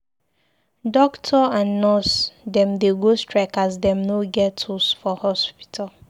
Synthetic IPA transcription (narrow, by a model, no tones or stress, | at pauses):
dɔktʰɔãnːɔsdɛ̃mdeɡostɹɛkasdɛ̃mnoɡɛtusfɔhɔspi̥tʰal